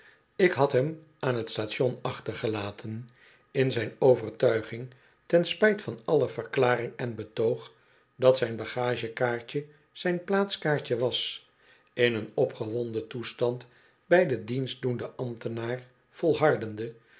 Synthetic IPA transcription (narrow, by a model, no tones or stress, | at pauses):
ɪkɦɑtɦɛm | ʔaːnɦətstatʃɔnɑχtəɹχəlaːtʰən | ɪnzɛjnowvərtœɥχɪŋ | tɛnspɛjtfɑnɑləvərklaːɾɪŋɛnbətowχ | dɑtsɛjnbɑχaːʒəkaːɹt͡ʃə | z̥ɛjnplaːtskaːɹcəʋɑs | ɪnənɔpχəʋɔndətustɑnt | bɛjdədinsdundəʔɑmtənaːr | v̥olˠɦɑɹdəndə